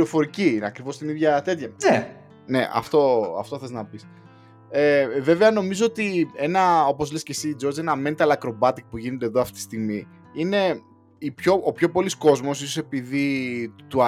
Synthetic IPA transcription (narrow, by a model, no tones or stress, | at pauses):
ɾofo̞ɾiciineɐkɾivo̞st̪iniðʝɐt̪e̞t̪çɐne | ne̞ʔɐ̰ft̪o̞ɐ̰ft̪oθeznɐpis | eve̞veɐno̞mizo̞ot̪ie̞nɐo̞po̞zlescesiːd͡zo̞ɾzenɐmenit̪ɐlɐkɾo̞bɐt̪ik̚puʝinod̪eðoɐft̪it̪ist̪iɣmi | ine̞ | ipço̞opço̞po̞lisko̞zmo̞sisosepiðit̪uɐ